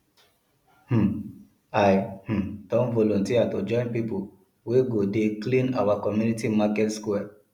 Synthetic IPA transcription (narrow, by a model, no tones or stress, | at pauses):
h̩ | ajh̩dɔ̃nvɔlɔ̃ntiatod͡ʒɔ̃ɪ̃npipu | weɡodeklĩna̰wakɔmjunitimakɛtskuɛ